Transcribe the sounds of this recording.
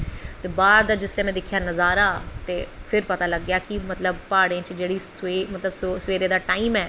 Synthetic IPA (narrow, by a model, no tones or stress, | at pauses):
t̪eːbaːɾd̪aːd͡ʒɪslẽːmɛ̃ːd̪ɪkʰːjaːnəzaːɾaːt̪eːpʰɪɾpət̪aːləɡːjaːkimət̪ləbpaːɽẽːt͡ʃd͡ʒeːɽiːsemət̪ləbssʋeːɾeːd̪aːʈaːiːmɛː